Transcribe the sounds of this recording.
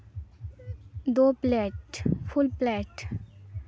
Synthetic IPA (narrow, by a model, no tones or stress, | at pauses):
d̪oplɛʈpʰulplɛʈ